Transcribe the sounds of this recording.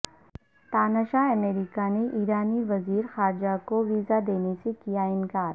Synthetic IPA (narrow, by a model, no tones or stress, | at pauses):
t̪aːnaʃaɐmeːɾikaneʔiːɾaːniʋɐziːɾxaːɾd͡ʒakoʋiːzad̪eːnesekijaɪnkaːɾ